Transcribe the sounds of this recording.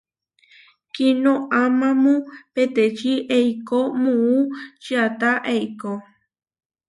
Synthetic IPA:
kinõʔamãmũpet̪et͡ʃiʔeikomũut͡ʃiat̪aʔejko

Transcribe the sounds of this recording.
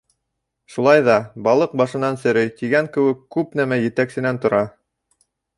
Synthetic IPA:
ʃulˠɑjðɑbɑlˠɤq̚bɑʃɤ̆nɑnsɘ̆ɾɘjt̪iɡæŋkɘ̆wɘkːʉpnæmæjɘ̆t̪æksɘ̆nænt̪ŏɾɑ

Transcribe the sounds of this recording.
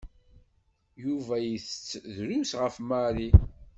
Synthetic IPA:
juvæjəθət͡sːðɾusʁəfmaɾi

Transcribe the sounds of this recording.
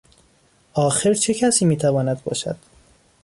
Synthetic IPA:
ʔɒːxeɾt͡ʃʰe̞cʰæsiːmiːt̪ʰævɒːnæd̪̚bɒ̰ːʃæ̰d̪̥

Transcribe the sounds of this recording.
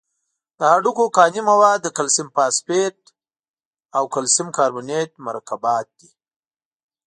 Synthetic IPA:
d̪̥əɦaɖukokɑnimawad̪ːəkalsɪmpɑspeʈ | awkalsɪmkɑːɾbunet̪̚maɾakabɑt̪̚d̪̥i

